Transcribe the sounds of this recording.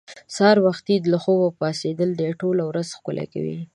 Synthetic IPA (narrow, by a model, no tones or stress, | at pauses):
sɑɾwaxt̪id̪laxowapɑsed̪əld̪aʈolawɾazxkʊlʔḛka̰wḭ